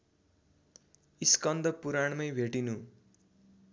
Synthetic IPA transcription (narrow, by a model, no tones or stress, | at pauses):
iskʌnd̪ʱʌpuɾaɳmʌjbʱeʈinu